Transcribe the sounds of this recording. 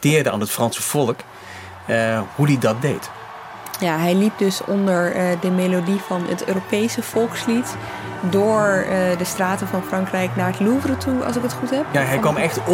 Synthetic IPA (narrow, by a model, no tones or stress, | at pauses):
tɪːɹdəa̰ːnɦətfrɑnsəv̥ɔlˠk | hudidɑt̚dejt | jaɦɛjlip̚dɵsɔndəɹdəmejlodifɑnətø̰ːropejsəv̥ɔlˠkslitdʊːɹdəstraːtəvɑnfrɑŋkrɛjknaːɹətluvrətuɑ̰lˠs̬ɪkətχutɦɛpjaɦɛjkʋɑmɛχt